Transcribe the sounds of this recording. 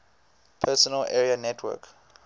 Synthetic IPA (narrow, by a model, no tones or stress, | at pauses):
pʰɛsɔnəlʔɛ̰ɹianɛtʰwɜ̰k